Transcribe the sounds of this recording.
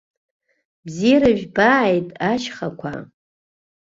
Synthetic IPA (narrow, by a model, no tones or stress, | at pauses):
bziɾaʒᶣbajtʼaʃχakʷʰa̰